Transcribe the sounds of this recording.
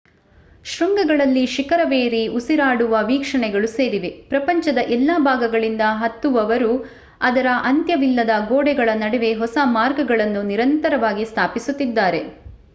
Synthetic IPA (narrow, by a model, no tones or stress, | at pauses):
ʃɾuŋɡɐɡɐɭɐlːiʃikɐɾɐʋe̞ːɾiusiɾaːɽuʋɐʋiːkʂɐɳɛɡɐɭuse̞ːɾiʋepɾɐpɐɲt͡ʃɐd̪ɐʔɛlːaːbʱaːɡɐɡɐɭind̪ɐɦɐt̪ːuʋɐʋɐɾu | ɐd̪ɐɾɐʔɐnt̪jɐʋilːɐd̪ɐɡoːɽɛɡɐɭɐnɐɽɛʋe̞ɦɔsɐmaːɾɡɐɡɐɭɐnːuniɾɐnt̪ɐɾɐʋaːɡist̪ʰaːpisut̪ːid̪ːaːɾe̞